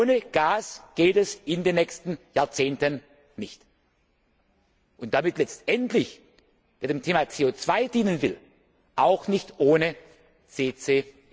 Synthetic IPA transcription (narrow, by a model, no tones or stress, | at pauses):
oːnəɡ̥aːsɡ̥eːtɛsɪndeːnːɛçstn̩jaːɐt͡seːntən | nɪçt | ʔʊntd̥amɪtlɛt͡stʔɛntlɪç | v̥eːɐdeːmtʰeːmat͡seːoːt͡sv̥aɪdiːnənvɪl | ʔaʊxnɪçtʔoːnə | t͡seːt͡seː